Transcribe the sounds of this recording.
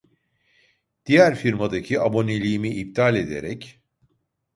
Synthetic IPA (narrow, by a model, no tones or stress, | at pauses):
d̪̥ijæɾfiɾmad̪acʰiabo̞nelʲijːmiʔːp̚t̪ʰalʲe̞d̪e̞̰ɾɛc